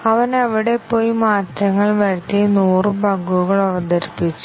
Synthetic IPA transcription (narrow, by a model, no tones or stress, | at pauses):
ɐʋɐnɐʋiɽe̞pːo̞ːjmaːtɾɐŋːɐɭʋɐɾt̪ːinuːrɨbɐɡuɣɐɭɐʋɐd̪ɐɾipːit͡ɕːu̥